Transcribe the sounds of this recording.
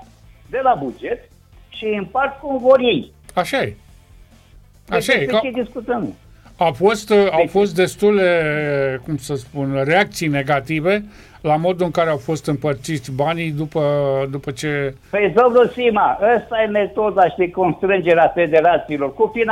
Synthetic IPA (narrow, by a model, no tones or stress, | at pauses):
d̪e̞labud͡ʒe̞t̪ | ʃiɨmpart̪̚kumvo̞ɾjij | aʃaje | aʃajet͡ʃed̪iskut̪əm | afo̞st̪awfo̞st̪̚d̪e̞st̪uld̪e̞kumsəspunreak̚t̪sijne̞ɡat̪ive̞ | lamo̞d̪uɨŋkaɾe̞awfo̞st̪ɨmpərt̪sit̪sʲbanid̪upəd̪upət͡ʃe̞ | fezovlusimaʔəst̪ajeme̞t̪o̞d̪aʃid̪eko̞nst̪ɾɨnd͡ʒeɾeafed̪e̞ɾat̪siilo̞rkufin